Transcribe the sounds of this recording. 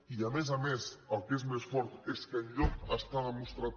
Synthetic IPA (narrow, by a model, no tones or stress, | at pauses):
iamezamesəlˠkezmesfɔɾt̪eskəʎɔəst̪aðəmust̪ɾat̪